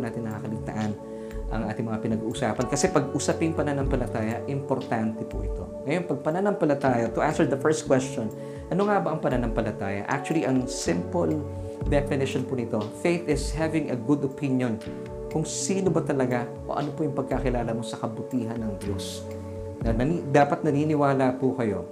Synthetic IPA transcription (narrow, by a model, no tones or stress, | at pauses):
naːt̪ɪnɐkakɐlɪɡ̚t̪ɐ̰ʔan | ʔɐ̰ŋʔa̰ːt̪ɪŋmɐŋapɪnɐɡuːʔʊsa̰ːpɐnkɐsɛpɐɡ̚ʔusɐpɪŋpɐnɐnɐmpɐlɐt̪aːjɐʔɪmpoɾt̪ant̪ɛpʊ̰ʔɪ̰t̪o̞ŋɐjo̞npɐɡ̚pɐnɐnɐmpɐlɐt̪aːjɐt̪ʊʔansɛɹd̪ɐfɛɹst̪̚kwɛstt͡ʃon | ʔɐnoŋabɐʔɐŋpɐnɐnɐmpɐlɐt̪aːjɐ̰ʔa̰k̚t͡ʃuɐliʔɐŋsɪ̃mpol | d̪ɛplɪnɪʃonpunɪt̪o̞fejt̪ɪshavɪ̃ŋɐɡud̪opinjon | kʊŋsiːnobɐt̪ɐlɐɡaʔo̰ʔɐ̰nopʊjʊŋpɐɡ̚kakɪlaːlɐmo̞sɐkɐbʊt̪iːɦɐnːɐŋd̪jos | nɐnɐnid̪aːpɐt̪nɐninɪwaːlapukɐjo̞̰